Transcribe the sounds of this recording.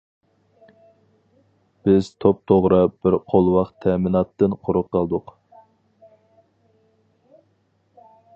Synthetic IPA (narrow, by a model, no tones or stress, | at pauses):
b̥ɪz̥t̪ʰop̚t̪ʰoʁɾɨb̥ɪɾqʰolˠwɑqt̪ʰɛmɪnɑt̪ːɨnqʰʊɾʊqːɑlˠd̪ʊq